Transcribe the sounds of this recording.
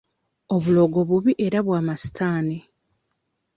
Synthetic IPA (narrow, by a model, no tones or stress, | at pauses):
o̞βulo̞ːɡo̞βuβiʔe̞ɾaβwaːmasi̥tʰaːni